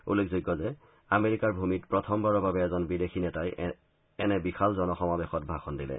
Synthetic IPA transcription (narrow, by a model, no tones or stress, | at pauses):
ṵlːekʰzuɡːɔzɛ | ameɹikaɹbʱumitpɹɔtʰɔmbaɹɔbabɛɛzɔnbidexinɛtaj | ɛnɛbixʰalzɔnɔxɔmabɛxɔtbʱaxɔndilɛ̰